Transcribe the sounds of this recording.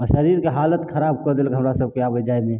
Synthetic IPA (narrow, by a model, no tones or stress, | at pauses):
ʃəɾiɾkeɦaːlət̪kʰəɾab̚kəɾd̪elkɦəmɾasəb̚keabəd͡ʒajmẽ